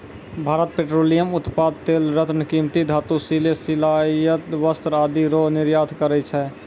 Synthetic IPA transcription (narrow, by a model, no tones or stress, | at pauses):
bʱaːɾət̪̚peːʈɾoːlijəmʊt̪paːd̪̚t̪eːlɾət̪nəkiːmt̪id̪ʱaːt̪usilesilaːjət̪ʋəst̪ɾaːd̪iɾonɪɾjaːd̪ʰʱkəɾɛt͡ʃʰɛ